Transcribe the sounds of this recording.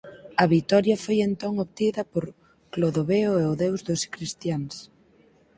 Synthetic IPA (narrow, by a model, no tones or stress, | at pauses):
ɐβit̪ɔɾjɐfojent̪oŋoβt̪iðɐpoɾ | kloðoβeoeʊðewzðʊskɾist̪jaŋs